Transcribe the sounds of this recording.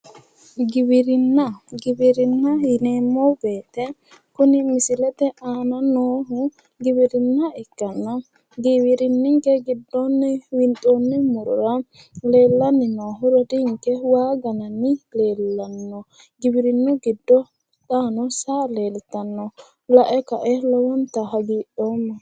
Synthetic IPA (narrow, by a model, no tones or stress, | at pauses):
ɡɪbɪɾɪnːɐɡɪbɪɾɪnːɐjɪneːmːɔbeːt̪ɛ | kʊnɪmɪsɪlɛt̪ɛaːnɐnoːɦʊ | ɡɪbɪɾɪnːɐɛkːɐnːɐ | ɡɪwɪɾɪnːɪŋkɛɡɪd̪ːɔnːɛwɪnt̪ʼɔnːɛmʊɾʊ̰ɾɐ | le̞ːlːɐnːɪnoːɦʊɾɛd̪ɪŋkːɛwaːɡɐnɐnːɪle̞ːlːɐnːɔ | ɡɪbɪɾɪnːʊɡɪd̪ːɔ | t̪aːnɔsaːle̞ːlɪt̪ɐnːɔ | lɐʔɛkɐʔɛlɔwɔnt̪ɐɦɐɡiːʔoːmːɐ